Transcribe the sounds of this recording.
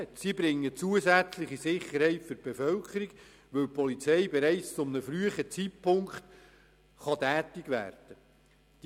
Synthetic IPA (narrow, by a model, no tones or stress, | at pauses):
tsibɾɪŋːət͡suəzæt͡slɪχisɪχːəɾhɛɪtfʏb̥efœlkʰəɾiɡ | ʋɵwpʰɔlit͡sɛɪbɛɾɛɪt͡st͡sʊmnəfɾyəχət͡sit̚pʰʊŋkχt̪ | χɑtæːtɪɡʋæ̰ːrd̥ə | d̥